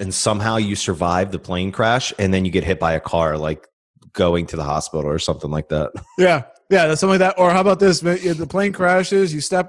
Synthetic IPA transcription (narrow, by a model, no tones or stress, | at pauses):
ɨ̃nsʌ̃mɦaʊjɨsə˞vaɪvðəpʰl̥ẽɪ̃nkʰɹ̥æʃɨ̃nðɨ̃njɨɡɛt̚ɦɪt̚b̥aɪɨkʰɑɹlaɪk | ɡ̥oʊɪ̃ŋtʰɨðəhɑ̰spɪɾl̩ˠə˞sʌ̃mθɪ̃ŋlaɪk̚ðæ̰t̚jæ | jæðætsʌ̃laɪk̚ðætʔə˞haʊəbaʊt̪̚ðɪsmjɨðəpʰl̥ẽɪ̃nkʰɹ̥æʃɪzjɨstɛp